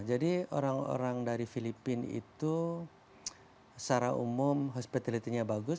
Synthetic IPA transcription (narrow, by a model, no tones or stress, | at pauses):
d͡ʒadio̰ɾaŋo̰ɾaŋdaɾifilipɪnḭt̪u | t͡ʃaɾaumʊmɦɔspit̪alit̪iɲabaɡʊs